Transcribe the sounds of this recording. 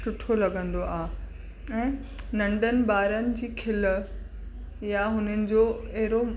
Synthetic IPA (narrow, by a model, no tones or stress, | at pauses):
ʊʈʰolɐɠə̃nd̪oaː | ɛ̃ː | nɐ̃ɳɖənɪ̆baːɾənɪ̆d͡ʑiːkʰɪl | jaɦʊnənɪ̆d͡ʑoːɐɦɪɾo